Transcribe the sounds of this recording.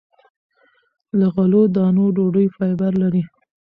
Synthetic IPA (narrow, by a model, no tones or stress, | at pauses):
laɣalod̪ɑnoɖoɖəjfɑjbaɾlaɾi